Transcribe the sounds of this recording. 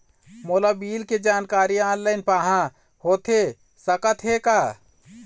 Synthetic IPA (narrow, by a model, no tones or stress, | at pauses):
moːlabiːlked͡ʒaːnkaːɾiaːnlaɪnpaːɦã | hoːt̪e | səkət̪ɦekaː